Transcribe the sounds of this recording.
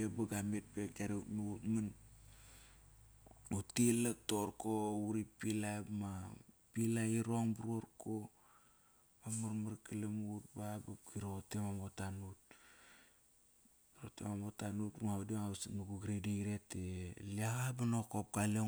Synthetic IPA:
ebaɡamet̚pek̚aɾeutmuɡutman | utilak̚toɾkouɾipilama | pilaiɾoŋbuɾoɾko | mamaɾmaɾkəlamut̚babakiɾotemamotanut̚ | ɾotḛmamotanutŋaudiŋawsnuɡuɡɾedeiɾeteliaɣabanokop̚kale

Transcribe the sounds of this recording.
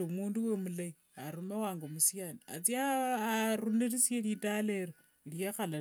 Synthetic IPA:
omunduwemulai | aɾumewaːŋɡomusijania̰t͡siaːɾuneɾisijeɾitaleɾo | ɾijaxala

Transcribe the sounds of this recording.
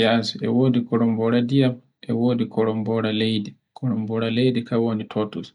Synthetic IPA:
jaːsuɛwoːdikɔɾɔmbɔɾadijam | ʔɛwoːdikɔɾɔmbɔɾalejdi | kʰɔɾɔmbɔɾalejdikawonitʰotus

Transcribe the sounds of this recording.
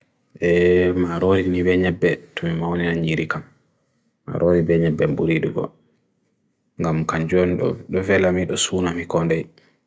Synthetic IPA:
ʔɛmaɾoɾinibɛɲɛbːɛtɔmimawnɛnaɲiɾikamː | a̰ɾʔoɾibɛɲɛbːɛmbuɾiɗuɡɔ̰ | ŋɡamkaɲd͡ʒoniɗ̰ɗɔvɛlamiɗɔsuːnamikɔndɛj

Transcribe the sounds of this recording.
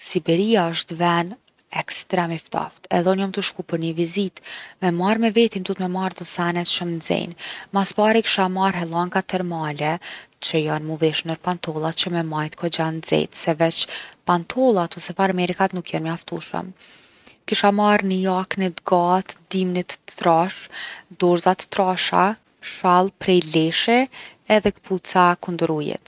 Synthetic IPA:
sibɛɾiaəʃt̪vɛn | ɛkst̪ɾɛmift̪a̰ft̪ɛ̰ðɛnɔmt̪uʃkupəɾɲəvizit̪mɛmaɾmɛvɛt̪imt̪ut̪mɛmaɾd̪ɔsanɛt̪ʃəmzɛ̰nmaspaɾiki̥ʃamaɾɦɛlˠaŋɡat̪ɛɾmalɛt͡ʃəjanmuvɛʃnəɾpant̪ʰɔlˠat͡ɕəmɛmajt̪kɔd͡ʑanzɛ̰t̪sɛvɛt͡ʃpant̪ʰɔlˠat̪ɔsɛfaɾmɛɾikat̪nukʰjɛnmaft̪uʃə̰m | kiʃamaɾnəjaknəd̪ɡat̪d̪imnit̪t̪ɾaʃd̪ɔɾzat̪ə̥t̪ɾaʃa̰ | ʃalˠpɾɛjlɛʃɛɛðɛkpʰut͡sakund̪ɾujɛ̰t̪̚

